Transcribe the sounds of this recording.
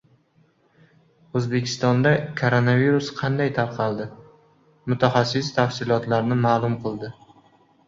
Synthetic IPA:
ɵzbe̞kʲʰɪ̥st̪ɒnd̪akʰoɾonaviɾusqʰɑnd̪ajt̪ʰaɾqʰɑlˠd̪ɪ | mʊt̪ʰaχɑsːɪst̪ʰafsɪlˠɒt̪laɾnɪmaːlˠʊmqɨlˠd̪ɪ

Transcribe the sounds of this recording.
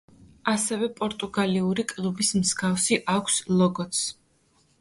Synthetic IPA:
asɛvɛpʼɔɾt̪ʼuɡaliuɾikʼlˠubismz̥ɡafsiʔakʷʰslˠɔɡɔt̪s

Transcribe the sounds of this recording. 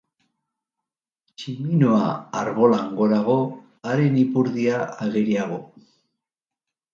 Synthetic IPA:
t͡ʃiminoa̰aɾβo̞laŋɡo̞ðaɣ̞o̞ | aɾe̞nipuɾðiaaɣiɾiaɣo̞

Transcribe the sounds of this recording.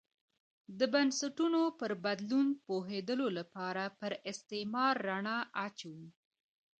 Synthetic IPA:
d̪əbansaʈunopəɾbad̪lunpoɦed̪əlolapɑɾapəɾɪst̪emɑɾːaɳɑʔat͡ʃawu

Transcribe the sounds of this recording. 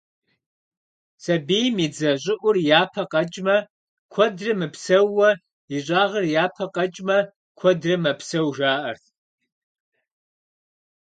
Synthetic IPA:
sɐbeːjmid͡zɐʑʷʼɪʔʷʊrjaːpʰɐqʼɐt͡ʃʼmɐ | kʷʰɔdrɨmɨpʰsɐwːɐ | iɕʷʼaːʁɐrjaːpʰɐqʼɐt͡ʃʼmɐ | kʷʰɔdrɨmɐpʰsɐwʒaːʔɐrtʰ

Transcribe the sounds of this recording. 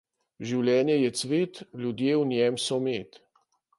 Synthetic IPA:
ʒiwlʲjɛːnjɛjɛt̪sʋeːt̪lʲjud̪jeːwnjɛmsɔmeːt̪

